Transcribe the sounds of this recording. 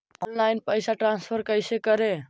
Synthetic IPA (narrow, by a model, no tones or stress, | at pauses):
ɔnlajnpəɪsaʈɾãnspʰəɾkəjsekəɾe